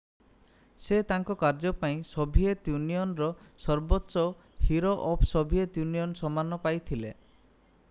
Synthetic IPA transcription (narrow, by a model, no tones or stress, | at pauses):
set̪aŋkɔkaɾd͡ʒɔpaĩsɔbʱiet̪juniɔnɾɔsɔɾbɔtːʃɔ | hiɾoʔɔpsɔbʱiet̪juniɔnsɔmanɔpajt̪ʰile